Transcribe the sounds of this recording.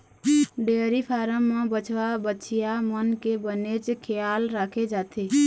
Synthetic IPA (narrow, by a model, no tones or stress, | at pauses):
ɖeɾipʰaɾəmːebət͡ʃʰʋabətːt͡ʃʰijamənkebənet͡ʃkʰejalɾakʰed͡ʒat̪ʰi